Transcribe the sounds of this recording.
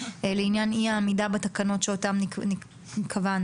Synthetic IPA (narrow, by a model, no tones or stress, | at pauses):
eleinjaniamidabet̪akano̞tʃeotamini | ikʰavan